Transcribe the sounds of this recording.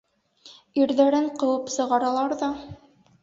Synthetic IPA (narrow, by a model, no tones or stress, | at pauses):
iɾðæɾɘɴqɤ̆wɤpsɤ̆ʁɑɾɑlˠɑɾðɑ